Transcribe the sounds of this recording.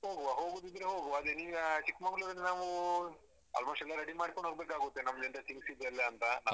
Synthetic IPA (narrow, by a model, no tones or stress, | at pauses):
ɦoːɡuɐɦo̞ːɡud̪id̪ɾeɦoːɡuɐd̪eniːɐt͡ʃikmɐɡɐɭuɾinnaːʋu | ɐ̰lmaːʂɛlːɐɾɐɽimaːɽkoɳɖɦoːɡbeːkaːɡut̪ːenɐmːɐd͡ʒɐnt̪esiŋɡsid̪ːɐlːeɐnt̪ɐna